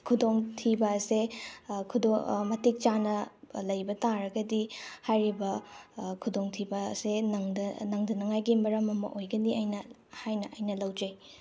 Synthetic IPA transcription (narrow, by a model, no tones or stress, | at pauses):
kʰudoŋtʰibɐsekʰudomɐtik̚t͡ʃanɐlɐjbɐtaɾɐɡɐdihajɾibɐkʰudoŋtʰibɐ̰senŋdɐnɐŋdɐnɐŋajɡimɐɾɐmɐmɐ̰ʔojɡɐniɐjnɐ | hajnɐʔɐjnɐlɐwd͡ʒɐj